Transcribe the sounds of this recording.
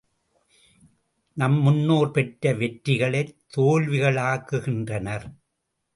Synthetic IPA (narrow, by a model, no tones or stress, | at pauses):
nɐmːʊnːoːɾpɛʈɾɐʋɛʈɾɪɣɐɭɐɪt̪ːoːlʋɪɣɐɭaːkːɯɣɪndrɐnɐɾ